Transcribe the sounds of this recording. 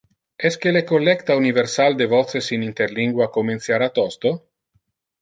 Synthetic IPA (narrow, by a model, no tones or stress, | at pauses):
ɛskelekolːɛkt̪auniveɾsald̪evɔt̪sesinint̪eɾliŋɡwakoment̪sjaɾat̪ɔst̪o